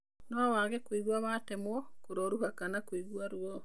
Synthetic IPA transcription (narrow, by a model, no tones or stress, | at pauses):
nɔawaɣɛkwiɣwaβatɛmwɔkoɾɔɾuɦakanakwiɣwaɾwɔ